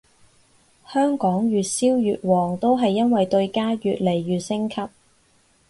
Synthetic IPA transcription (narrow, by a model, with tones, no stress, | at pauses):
hœː˥ŋkɔː˨˥ŋjyː˨t̚siː˥wjyː˨t̚wɔː˨˩ŋt̪o˥wɦɐ˨jːɐ˥nwɐ˨jt̪ɵ˧ɥkaː˥jyː˨t̚le˨˩jːyː˨t̚sɪ˥ŋkʰɐ˥p̚